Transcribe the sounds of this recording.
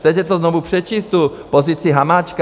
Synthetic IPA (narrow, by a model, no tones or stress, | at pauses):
t͡sɛcɛt̪ɔznɔʋuprɛt͡ʃiːst̪uːpɔziːt͡siɦamaːt͡ʃk